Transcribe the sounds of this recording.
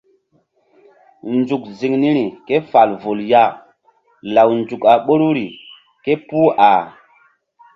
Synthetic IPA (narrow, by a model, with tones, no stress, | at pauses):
nd͡zu˨k̚zi˨ŋni˦ɾi˨ke˦fa˨lvo˨lja˦˨ | la˨wnd͡zu˨ka˨ɓo˦ɾu˦ɾi˨ | ke˦pu˦a˨